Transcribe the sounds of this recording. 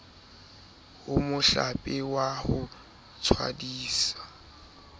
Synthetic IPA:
ʊmʊɬapʼɪwahʊ | t͡sʰwa̰diːsḁ

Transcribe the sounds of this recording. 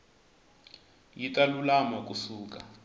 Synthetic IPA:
jitʼalulamɔk̬ʼusuːk̬ʼa

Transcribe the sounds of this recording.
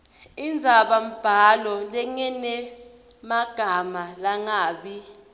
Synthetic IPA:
ind͡zʱaɓam̩b̥ʱalɔlɛŋɛnɛ | maɡ̥ʱamalaŋaːɓi

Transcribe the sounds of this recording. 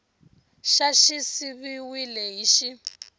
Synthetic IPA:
ʃaʃisiβiwilɛɦiʃi

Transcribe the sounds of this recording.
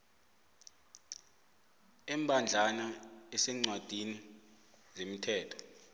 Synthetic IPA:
ɛmbʱand͡ɮʱanaɛsɛŋ͡ǀwad̥ʱini | zemitʰɛːtʰɔ̥

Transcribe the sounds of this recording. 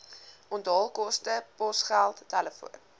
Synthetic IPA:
ɔndɑːlˠkɔstəpɔsχælˠtːæləfṵən

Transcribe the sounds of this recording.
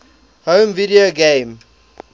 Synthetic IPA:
hõːmvidioɡẽm

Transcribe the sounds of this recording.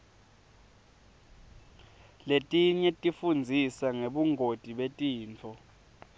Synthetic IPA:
letʼiɲɛtʼifund͡zʱisaŋeɓuŋʱod̥ʱiɓetʼiːnt͡fʰɔ

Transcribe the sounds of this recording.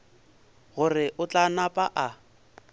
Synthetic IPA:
ɣʊrɪʔʊt͡ɬanapʼaʔa

